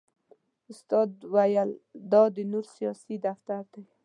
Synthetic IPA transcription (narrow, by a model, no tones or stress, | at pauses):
ʊst̪ɑd̪wajald̪ɑd̪ɪnuɾsijɑsid̪aft̪aɾd̪aj